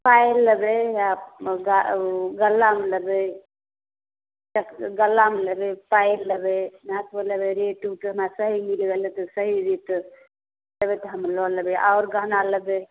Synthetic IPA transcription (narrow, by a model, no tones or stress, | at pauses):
pajlːəbejaɡaɡəlːameləbe | t͡ʃəkɡəlːameləbepajlːəbemasbeləbeɾeʈuʈɦəmɾasəɦimilɡelət̪ɔsəɦiɾit̪ | ləbɛt̪ɔɦəmlɔləbeʔaʊɾɡaɦnaləbe